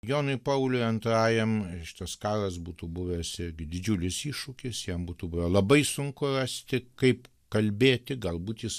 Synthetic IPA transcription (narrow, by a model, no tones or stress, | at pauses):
joːnʊɪpɐʊlʲʊɪɐnt̪ɾɑːjɛmʃʲɪ̥t̪ɐskɑːɾɐsbuːt̪ubʊʋʲɛsɪɾʲɡʲɪd̪ʲɪd͡ʒʲuːlʲɪsiːʃʊkʲɪsjimbuːt̪uːbʊʋɛlˠɐbɐɪsʊŋkʊrɑsʲt̪ʲɪkɐɪp | kɐlʲbʲeːt̪ʲɪɡɐlˠbuːt̪jɪs